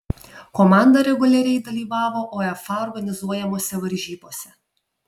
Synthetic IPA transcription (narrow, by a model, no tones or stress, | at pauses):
kɔmɑˑnd̪ɐɾʲɛɡʊlʲɛɾʲɛɪd̪ɐlʲiːʋɑːʋoːʔoːɛfɐɔɾɡɐnʲɪzuɔjɛmoːsʲɛʋɐɾʲʒʲiːboːsʲɛ